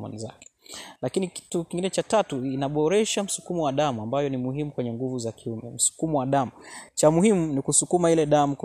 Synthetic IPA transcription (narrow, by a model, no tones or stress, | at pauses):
ɔ̰niza̰kɛ̥lakiniki̥tukiŋɡinɛt͡ʃatatuinaɓɔɾɛʃam̩su̥kumɔwaɗamuambajɔnimuhimukwɛɲɛŋɡuvuzakiumɛ̰m̩su̥kumɔwaɗamut͡ʃamuhimunikusukumailɛɗamuk